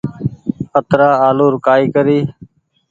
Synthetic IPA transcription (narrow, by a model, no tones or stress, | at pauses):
ət̪ɾaːaːloːɾʊkaːiːkəɾiː